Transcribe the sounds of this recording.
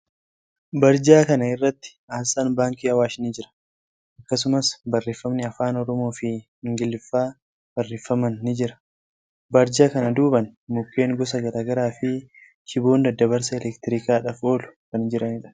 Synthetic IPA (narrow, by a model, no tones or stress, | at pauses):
bɐɾd͡ʒaːkɐnɐɪrːɐt̪ːɪ̥aːsaːnbaːŋkiːɐwaːʃɪnid͡ʒɪɾɐ̥ | ʔɐkːɐs̬ʊmɐsbɐrːeːfːɐmnɪɐfaːnɔɾɔmo̞ːfɪ | ɪŋɡɪlːɪfːaː | b̥ɐrːeːfːɐmɐnːɪd͡ʒɪɾɐ̥ | bɐɾd͡ʒaːkɐnɐd̪uːbɐnmʊkːe̞ːŋɡɔs̬ɐɡɐɾaːɡɐɾaːfɪ | ʃɪbo̞ːnd̪ɐd̪ːɐβɐɾs̬ɐɛlɛkt̪ɪɾiːkaːᶑɐfo̞ːlʊ̥kɐnd͡ʒɪɾɐnɪᶑɐ̥